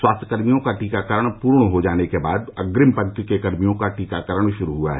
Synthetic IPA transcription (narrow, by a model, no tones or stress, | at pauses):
swaːst̪ʰəkəɾmijõkaʈiːkakəɾəɳ̃puːɾɳɦod͡ʒaːnekeba̰ːd̪ə̰ɡɾɪmpənkkekɐɾmijõkaʈiːkakəɾəɽ̃ʃʊɾuɦua̰ɦɛː